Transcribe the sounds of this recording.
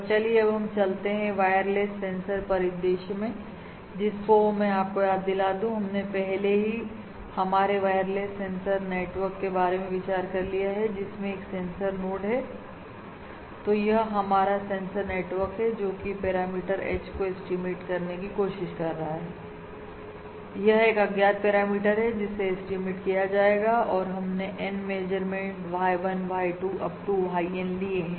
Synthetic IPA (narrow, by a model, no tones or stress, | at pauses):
t͡ʃɐlieɐbɦɐmt͡ʃɐlt̪eɦɛ̃ʋaːjəɾleːssẽːnsəɾpɐɾɪd̪eːʃmẽ | d͡ʒɪsfoːmɛ̃aːp̚kojaːd̪ːɪlaːd̪ũɦɐmnepɛɦleɦi | hɐmaːɾeʋaːjəɾlesːẽːnsəɾneːʈʋəɾkːebaːɾemẽʋɪt͡ʃaːɾkɐɾlijaɦɛd͡ʒɪsmẽeːksẽːnsəɾmoːɖɦɛː | t̪ojɐɦɦɐmaːɾasɛ̃ːnsəɾneːʈʋəɾkɦɛd͡ʒoːkipɛːɾaːmiːʈəɾɛ̰ːt͡ʃkoɪsʈimeːʈkɐɾnekikoːʃɪʃkɐɾːɐɦaɦɛː | jɐɦeːkɐɡjaːt̪̚pɛːɾaːmiːʈəɾɦɛd͡ʒɪsːeɪsʈimeʈkijad͡ʒaːeːɡaɔːɾɦɐmneʔɛnmeːd͡ʒəɾmẽɳʈʋaːiʋɐnʋaːiʈuːʔɐp̚ʈuʋɦaːiɛːnliẽː